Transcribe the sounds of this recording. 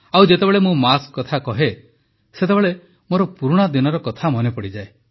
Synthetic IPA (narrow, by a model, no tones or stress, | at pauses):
awd͡ʒet̪ebeɭemũmaskːɔt̪ʰakɔɦe | set̪ebeɭe | moɾɔpuɾuɽ̃ad̪inɔɾɔkɔt̪ʰamɔnepɔɽid͡ʒae